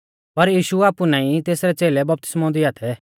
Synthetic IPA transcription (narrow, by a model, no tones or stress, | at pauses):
pɐɾjiːʃuaːpunãːĩt̪eːsɾɛt͡seːlɛbɐp̚t̪ɪ̥smɔ̃nd̪iaːt̪ʰɛ